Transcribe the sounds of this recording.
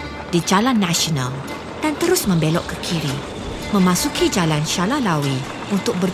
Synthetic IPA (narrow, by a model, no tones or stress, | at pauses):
did͡ʒalanːãʃɔnãl | d̥ant̪əɾʊsmə̃mbelɔʔkːəkʰiɾi | mə̃mãsukid͡ʒalanʃalalawi | unt̪ʊk̚bər